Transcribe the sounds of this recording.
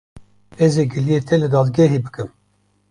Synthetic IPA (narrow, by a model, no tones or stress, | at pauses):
ɛzeɡɨlijet̪ʰɛlɨd̪ɑːd̪ɡɛɦibɨkɨm